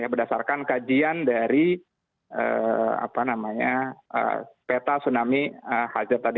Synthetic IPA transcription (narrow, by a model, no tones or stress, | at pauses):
jabərdasarkankad͡ʒiandaɾi | ə̰a̰panamaɲaə̰pet̪asunamiəhazərt̪adi